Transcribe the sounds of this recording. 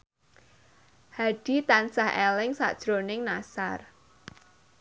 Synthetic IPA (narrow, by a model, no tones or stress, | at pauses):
haɖ̥it̪ansahʔɛlɪŋsa̰d̥ʒ̥ɾonɪŋnasar